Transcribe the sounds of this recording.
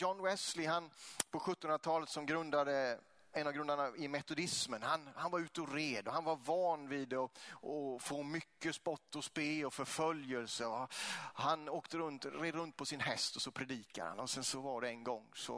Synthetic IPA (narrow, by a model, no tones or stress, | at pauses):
jɔnwɛslɪɦanpʰɔɧɵt̪ːɔnɾat̪ʰɑːlət̪sɔmɡɾɵnd̪ad̪ə | ɛnavɡɾɵnd̪aɳaɪmɛt̪ʊd̪ɪsmənhanhanvaɾʉ̟ːt̪əɔɾeːd̪ɔɦanvaɾvɑːnvid̪ɔɔfoːmʏkːəspɔt̪ːɔspeːɔfœɾfœljəlsəɔhanoːkt̪əɾɵnt̪ɾeːd̪ɾɵnt̪̚pʰɔsɪnɦɛst̪ɔsɔpʰɾɛd̪iːka̰ɾha̰nɔsɛnsɔvaɖɛɛnɡɔŋːsɔ̰